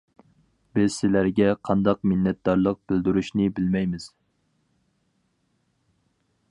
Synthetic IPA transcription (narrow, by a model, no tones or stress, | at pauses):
bɪz̥sɪlæɾɡʲɛqʰɑnd̪ɑq̚mɪnːɛt̪̚d̪ɑɾlˠəq̚b̥ɪld̪yɾuʃnɪbɪlmɛjmɪz̥